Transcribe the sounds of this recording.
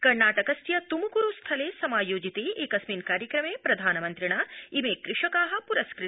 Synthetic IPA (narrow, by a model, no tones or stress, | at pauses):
kɐɾnaːʈɐkɐst̪jɐt̪umukuɾust̪ʰɐleːsɐmaːjoːd͡ʒit̪ieːkɐsmiːnkaːɾjɐkɾɐmeːpɾɐd̪ʱaːnɐmɐnt̪ɾiɳaimeːkɾɪʂɐkaːɦɐ̆puɾɐskɾɪi